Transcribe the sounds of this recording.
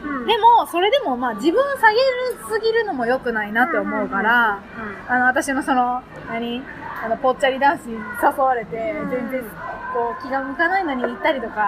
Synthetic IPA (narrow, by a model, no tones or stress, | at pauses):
d̪e̞mo̞so̞ɾe̞d̪e̞mo̞maːd͡ʑibɯ̟̃ɰ̃saɡe̞ɾɯ̟sɨɡʲiɾɯ̟no̞mo̞jo̞kɯ̟nainat̪ːe̞omo̞ɯ̟kaɾaː | no̞at̪̬aɕino̞so̞no̞ | naɲ̟i | ano̞po̞t̚t͡ɕːaɾʲid̪ãɰ̃sɨɲ̟isasoβaɾe̞t̪e̞zẽ̞nzẽ̞ɰko̞ːkʲiɡãmɯ̟kanaino̞ɲ̟iit̪ːaɾʲit̪o̞ka